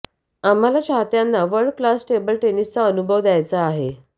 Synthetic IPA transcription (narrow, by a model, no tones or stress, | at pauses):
am̤alaɕaɦt̪janːaʋəɾɭɖklasʈebəlʈenist͡saənubʱəʋd̪ajt͡saːɦe